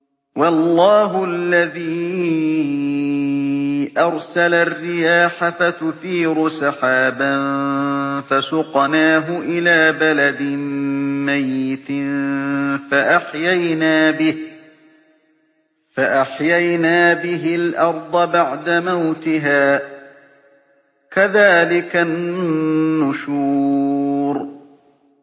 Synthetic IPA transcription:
wɑlˤːɑːɦʊlːaðiː | ʔɑɾˤsalarːɪjaːħafat̪ʊθiːɾʊsɑħaːban | fasʊqnaːɦʊʔɪlaːbalad̪ɪmajːɪt̪ɪ | faʔaħjajnaːbɪh | faʔaħjajnaːbɪɦɪlʔɑɾˤd̪ˤɑbaʕd̪amawt̪ɪɦaː | kaðaːlɪkanː | ʊʃuː | ɾ

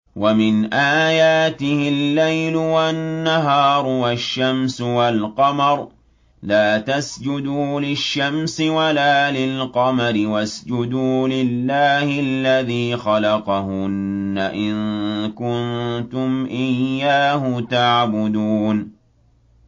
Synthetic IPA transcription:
wamɪnʔaːjaːt̪ɪhɪlːajlʊwanːaɦɑːɾˤʊwaʃːamsʊwalqɑmɑɾˤ | laːt̪asd͡ʒʊd̪uːlɪʃːamsɪwalaːlɪlqɑmaɾɪwasd͡ʒʊd̪uːlɪlːaːhɪlːaðiːxɑlɑqɑhʊnːaʔɪŋkʊnt̪ʊmʔɪjːaːhʊt̪aʕbʊd̪uːn

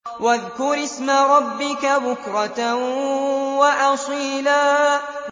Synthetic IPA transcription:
waðkʊɾɪsmaɾˤɑbːɪkabʊkɾˤɑt | waʔɑsˤiːlaː

